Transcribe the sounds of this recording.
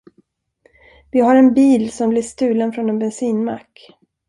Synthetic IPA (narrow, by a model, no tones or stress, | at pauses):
vɪɦaɾɛnbiːlsɔmblɪʂt̪ʉ̟ːlənfɾɔnɛnbɛnsiːnma̰kː